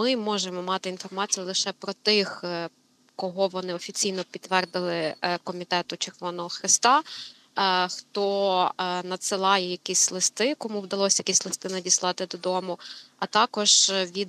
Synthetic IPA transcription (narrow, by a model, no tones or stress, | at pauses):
mɪmɔʒemɔmɑt̪ɪinfɔrmɑt͡sʲijʊlˠɪʃɛpɾɔt̪ɪx | kɔɦɔʋɔnɪɔfʲit͡sʲijnɔpʲit̪ːʋɛrd̪ɪlˠɪkɔmʲit̪ɛt̪ʊt͡ʃerʋɔnɔɦɔxɾɪst̪ɑ | xt̪ɔ | nɐt̪sɪlˠɑjɛjɐkʲisʲlˠɪst̪ɪkɔmuwd̪ɐlˠɔsʲɐjɐkʲisʲlˠɪst̪ɪnɐdʲislˠɑt̪ɪd̪ɔd̪ɔmʊɐt̪ɑkɔʒʋʲid̪